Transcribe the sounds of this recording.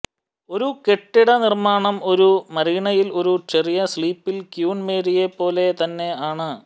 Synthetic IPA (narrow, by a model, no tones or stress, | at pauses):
o̞ɾuke̞ʈːiɽɐnirmaːɳɐmo̞ɾumɐɾiɳɐjilo̞ɾut͡ɕe̞rijɐsɭiːpːilkjuːnme̞ːɾije̞pːo̞ːle̞t̪ɐnːe̞aːɳɨ